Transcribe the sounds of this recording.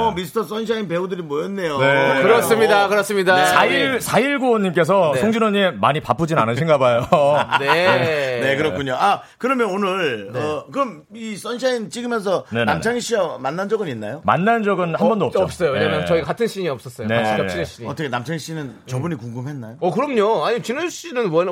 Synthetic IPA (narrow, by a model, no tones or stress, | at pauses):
ʌmisʰɯ̥tʰʌs͈ʌnɕ̬ʰainpe̞udɯɾimʌjʌnːe̞jonekɯɾʌss͈ɯmɲidakɯɾʌs͈ɯmɲidasaiɭsʰaiɭɡoɲimk͈e̞s̬ʰʌnʰoŋd͡ʑinoɲimemaɲipap͈ɯd͡ʑinanɯnɕʰinɡabajonene̞kɯɾʌkkʰuɲoa | kɯɾʌmjʌnonɯɭʌkɯɾʌm | is͈ʌnɕ̬ʰaint͡ɕ͈iɡɯmjʌns̬ʰʌne̞na̰mt͡ɕʰaŋiɕ͈iamanːand͡ʑʌɡɯninːajoma̰nːand͡ʑʌɡɯnhambʌndoʌpʌp̚s͈ʌjoweɲamjʌt͡ɕʌiɡakatʰɯnɕ͈ʰiɲiʌp̚s͈ʌs͈ʌoeɕiɡaɕ͈ʰieɕ͈iɲiʌtʰʌkʰenamt͡ɕʰaŋiɕ͈inɯn | t͡ɕʌbuɲikuŋɡumɦe̞nːajoʌkɯɾʌmɲoaɲit͡ɕinɯɕ͈inɯnmwʌn